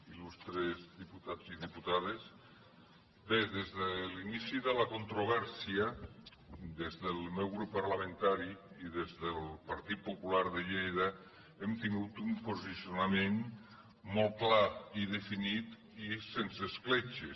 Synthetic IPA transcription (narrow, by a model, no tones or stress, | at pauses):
ilust̪ɾezðiput̪aziðiput̪aðes | d̪eðezðəlinisiðəlakont̪ɾoβ̞ɛɾsiə | d̪ezðəlˠmɛwɣɾupːaɾlamə̃nt̪aɾi | iðezðəlˠpaɾt̪it̪̚populaɾðəʒejðə | emt̪iŋɡut̪umpozisionamen | mɔlˠklaiðefinit̪ | isensesklet͡ʃe